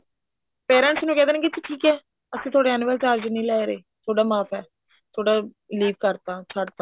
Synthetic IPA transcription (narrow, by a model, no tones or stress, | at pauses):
peːɾə̃ɳʈsnũːkɛ̃ːd̪eːnɛːkɪt͡ʃʈʰiːkɛː | əsĩːt̪ʰoːɽeːɛːnːʋəːlt͡ʃaːɾd͡ʒnĩːlɛːɾeː | t̪ʰoːɽaːmaːpʰɛː | t̪ʰoːɽaː | liːʋkəɾt̪ãːt͡ʃʰəɽt̪aː